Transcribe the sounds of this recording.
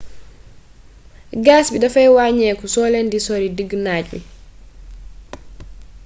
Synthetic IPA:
ɡaːsbidɐfɐjwaːɲɛkusɔːlɛndisɔɾidəɡːnaːcbḭ

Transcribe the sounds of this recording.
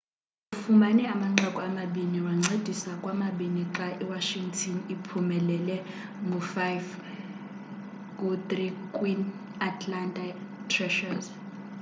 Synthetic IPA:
ufumanɛamaŋ͡ǃɔkʼɔamaɓiniwaŋ͡ǀʱed̥ʱisakʼwamaɓiniǁaʔiwaʃiŋtʰɔnipʰumɛlɛlɛ | ŋɡʱufajv | kʼut̪rikʼwin | atʰlantʼatʰrɛʃarz

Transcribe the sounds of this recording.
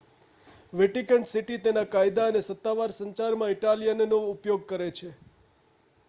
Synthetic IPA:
ʋeʈikəɳʈsiʈit̪enakajd̪aənesət̪ːaʋaɾsəɲt͡ʃaɾmãɪʈalijənnoʊpjoɡ̚kəɾet͡ʃʰe

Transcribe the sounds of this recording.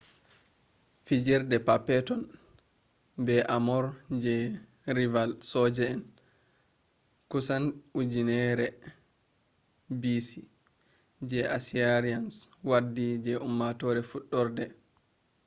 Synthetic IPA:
fid͡ʒiɾdɛpapɛtɔn | bɛʔamɔɾd͡ʒɛ | ɾivalsɔd͡ʒɛɛn | kusanud͡ʒinɛɾɛ | bisi | d͡ʒɛʔasiaɾianswadːid͡ʒɛʔumːatɔɾɛfuɗːɔɾdɛ

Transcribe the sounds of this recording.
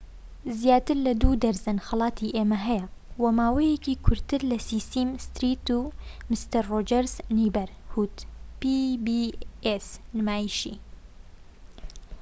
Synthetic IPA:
zjaːt̪ɨɾlɐd̪uːd̪ɐɾzɨnxɐlɑːt̪iːʔeːmɐɦɛjɛwɐmaːwɛjɛkiːkʰʊɾt̪ɨɾlɐsiːsiːmst̪ɾiːt̪umɪst̪ɐɾːoːd͡ʒɛɾzniːbɛɾhuːt̪pibiːesnɨmaːjiʃiː

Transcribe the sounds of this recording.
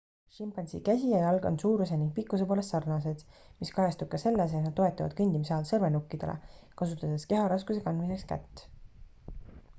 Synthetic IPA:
ʃimpɑnsḭkæsʲijɑjɑlɡ̥onsuːɾus̬e̞niŋɡ̥̚pikːˑus̬epo̞ːle̞st̪sɑrnɑse̞d̪̥ | miskɑjɑst̪ub̥̚kɑse̞lːes̬et̪nɑd̪̚ːo̞e̞t̪ːˑɑvɑd̪̥kɤnʲd̪imseɑlsɤrve̞nukːid̪̥ḛlḛkɑsut̪ːˑɑd̪̥eske̞ɦɑɾɑskuse̞kɑnmise̞kskæ̰t̪ː

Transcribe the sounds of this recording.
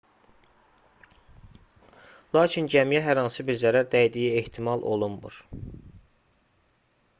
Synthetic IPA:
lˠɑːcʰind͡ʒæmijæɦæɾɑnsɯbiɾzæɾæɾd̪æjd̪ijieht̪ʰimɑlˠʔo̞̰lˠunmṵɾ

